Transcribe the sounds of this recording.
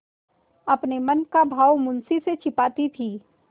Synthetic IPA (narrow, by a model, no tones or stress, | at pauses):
ɐpnemɐnkabʱaːwmʊ̃nsiset͡ʃʰɪpaːt̪it̪ʰiː